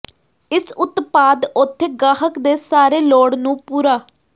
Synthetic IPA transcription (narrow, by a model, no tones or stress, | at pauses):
ɪsʊt̪paːd̪ʊt̪ʰːeːɡaːɦəkd̪eːsaːɾeːloːɽnũːpuːɾaː